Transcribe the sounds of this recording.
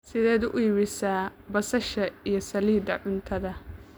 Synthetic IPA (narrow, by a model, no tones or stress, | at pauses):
sɪðɛːðuʔʊjɪɾɪsaːbɐsɐʃɐijɞsɐliːd̪ɐʕʊnt̪ʰɐðɐ